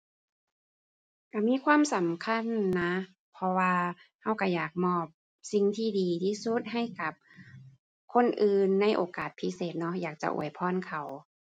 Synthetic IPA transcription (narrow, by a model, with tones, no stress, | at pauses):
ka˧˩miː˧˥˨kʰwaː˧˥˨msa˨˦mkʰa˧˥˨nːa˧˥ | pʰɔ˧waː˧ha˧˩wka˧˩jaː˨˩k̚mɔː˧˩p̚ | si˧ŋt̪ʰiː˧˩diː˨˦t̪ʰiː˧˩su˧˥˦t̪̚ɦa˧˥˩jka˧˦p̚ | kʰo˧˥˨nʔɯː˧nːa˧˥˨jʔoː˧kaː˨˩t̪̚pʰi˦˥seː˨˩t̪̚nɔ˧˥jaː˨˩k̚t͡ɕa̰˧˨ʔṵ˨˩əjpʰɔː˧˥˨nkʰa˨˩w